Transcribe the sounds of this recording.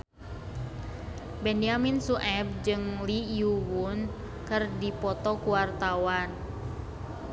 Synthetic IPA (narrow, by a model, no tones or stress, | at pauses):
bɛniaminsuʔɛp̚d͡ʒɨŋlijuwun | kɨrdipɔt̪ɔkuwart̪awan